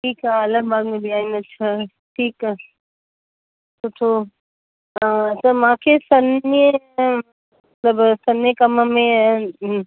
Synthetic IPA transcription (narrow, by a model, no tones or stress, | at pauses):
ʈʰiːkaɐləɡ̚baːɡmẽbʱiaːĩnɐtːʃʰa | ʈʰiːkɛ | soʈʰo | səmãːkʰesɐnjə | ɐ | t̪ləbsɐnjəkɐməmẽ